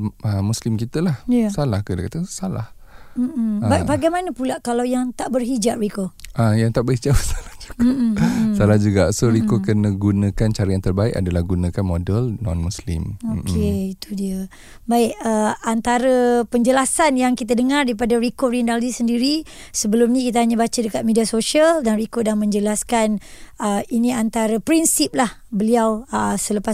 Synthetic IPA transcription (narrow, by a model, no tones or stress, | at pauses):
əmːuslimkit̪əlahjasalahkədakat̪əsala̰h | m̩m̩əabaɡajmanəpulaʔkalawjaŋt̪aʔbərɦid͡ʒaʔ̚rikoʔajaŋt̪aʔbərhid͡ʒabəsḁlahd͡ʒu̥ɡasalahd͡ʒuɡasoɾikokənə̃ɡunə̃kant͡ʃaɾiant̪ərbaika̰dalahɡunə̃kanmodəlnɔnmuslɪ̰mokeit̪udiə | baɪkəant̪aɾəpəɲd͡ʒəlasanjaŋkit̪̬adəŋardaipadaɾikorindaldisəndiɾi | səbəlumnĩkit̪̬aɦaɲãbat͡ʃədəkat̪̚mediasoʃiəldanrikodaŋmə̃ɲd͡ʒəlaskanəinĩant̪aɾəpɾinsip̚lahbəliawəsələpa